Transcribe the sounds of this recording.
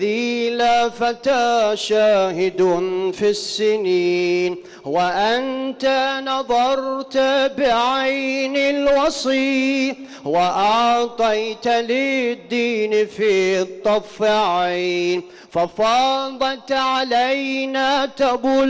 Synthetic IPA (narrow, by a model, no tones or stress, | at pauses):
ðiːlafat̪aːʃaːhɪd̪fisːɪniːn | waʔant̪anɑðˤɑɾˤt̪abɪʕajnɪlwɑsˤiː | waʔɑʕt̪ˤɑjt̪lɪd̪ːiːnfiːt̪ˤːɑfɪʕajn | fafɑːðˤɑlt̪ʕalajnaːt̪abuːl